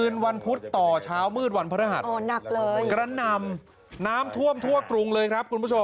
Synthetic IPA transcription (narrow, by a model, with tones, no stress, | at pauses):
ɯː˧nwa˧npʰu˦˥t̪ːɔː˨˩t͡ɕʰaː˦˥wmɯː˥˩t̪̚wa˧npʰa˧ɾa˦˥˩ɦa˨˩ʔɔː˧˩na˨˩k̚lɤː˧jkɾa˧na˧m | naː˦˥mt̪ʰu˥˩əmt̪ʰu˥˩əkɾu˧ŋlɤː˧jkʰɾa˦˥p̚ku˧npʰu˥˩o˧m